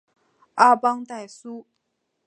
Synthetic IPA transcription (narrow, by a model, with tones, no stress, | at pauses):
ʔa˥pɑ˥ŋt̪a˥˩ɪsu˦˥